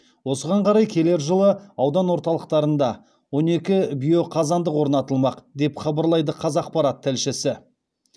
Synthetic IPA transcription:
wo̞səʁɑɴqʰɑɾɑjkʲʰe̞le̞ɾʒəlˠəɑwd̪ɑnwo̞ɾt̪ɑlˠəqt̪ɑɾənd̪ɑ | wo̞ne̞kʲɪbijo̞qʰɑzɑnd̪əqwo̞ɾnɑt̪əlˠmɑqd̪e̞pχɑbəɾlˠɑjd̪əqʰɑzɑq̚pɑɾɑt̪ʰːɪlʃɪsɪ

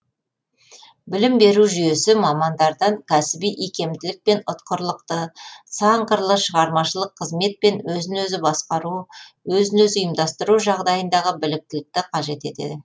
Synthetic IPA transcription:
bɪlɪmbe̞ɾuʒyje̞sɪmɑmɑnd̪ɑɾd̪ɑŋkʲʰæsɪbijʔikʲe̞md̪ɪlɪk̚pe̞nʊt̪qəɾlˠəqt̪əsɑɴqəɾlˠəʃəʁɑɾmɑʃəlˠəqʰːəzme̞t̪̚pe̞nwɵzɪnwɵzɪbɑsqɑɾu | wɵzɪnɵzʊjəmd̪ɑst̪əɾuʒɑʁd̪ɑjənd̪ɑʁəbɪlɪk̚t̪ɪlɪk̚t̪ɪqʰɑʒe̞t̪e̞t̪e̞̰d̪ɪ

